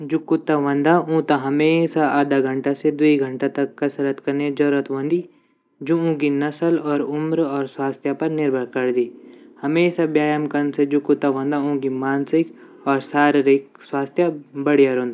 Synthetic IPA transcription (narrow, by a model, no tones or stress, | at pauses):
d͡ʒʊkːʊt̪ːaʋɐ̃nd̪aʔũːt̪aɦɐmeːsaaːd̪aɡʱə̃ɳʈased̪uiɡʱə̃ɳʈat̪ɐkːɐsəɾət̪kɐɾned͡ʒɔɾət̪ʋɐ̃nd̪i | d͡ʒuũːɡinɐsəlɔːɾʊmɾɔːɾswaːst̪japɐɾnɪɾbʱəɾkɐɾd̪iːhɐmeːsabjaːjəmkənsed͡ʒʊkːʊt̪ːaʋə̃nd̪aũːɡimaːnsɪk | ɔːɾsaːɾɾɪk | swaːst̪ʰjabɐɽijaɾõːnd̪a